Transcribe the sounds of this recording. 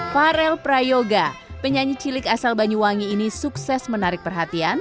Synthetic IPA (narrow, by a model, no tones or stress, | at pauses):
faɾɛlpɾajoɡapəɲaɲit͡ʃilɪkasalbaɲuwaŋiːnisuksɛsmənaɾɪk̚pərɦat̪ian